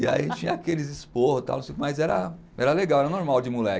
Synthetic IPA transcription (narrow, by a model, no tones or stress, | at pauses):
ia̰ḭḛ̃t͡ʃɪt͡ʃĩɲɐakelɪzɪspohʊt̪a̰wnũsejukʊmajzɛɾɐ̰ | ɛɾɐleɡawɛɾɐnoɾmawd͡ʒɪmulɛ